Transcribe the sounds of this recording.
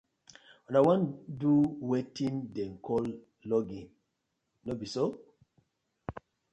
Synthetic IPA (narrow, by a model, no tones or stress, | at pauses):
ɔ̃dawãnduwetʰĩndɛ̃mkʰɔl | lɔɡĩn | nobiso